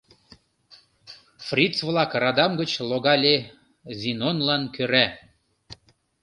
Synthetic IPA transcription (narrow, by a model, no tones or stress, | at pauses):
frʲit͡svlɑkrɑd̪ɑmɡət͡ɕloɣɑlʲe | zʲinonlɑnkøɾæ